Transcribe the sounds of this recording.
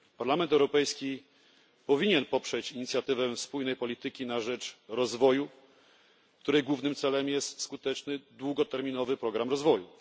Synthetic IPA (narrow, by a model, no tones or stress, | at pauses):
paɾlamɛnt̪̬ɛwɾɔpɛjskʲi | pɔvʲiɲɛnpɔpʂɛt͡ɕiɲit̪sʲjat̪ɘvɛfspujnɛjpɔlʲit̪ɘkʲinaʐɛt͡ʂɾɔzvɔju | kt̪uɾɛjɡwuvnɘmt̪sɛlɛmjɛst̪skut̪ɛt͡ʂnɘd̪wuɡɔt̪ɛɾmʲinɔvɘpɾɔɡɾamɾɔzvɔju